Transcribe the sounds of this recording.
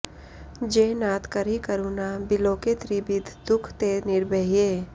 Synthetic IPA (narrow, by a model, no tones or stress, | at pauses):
d͡ʒeːnaːt̪kəɾikəɾuːnabɪloːket̪ɾibɪd̪ʱd̪ʊkʰt̪enɪɾbəɦijeː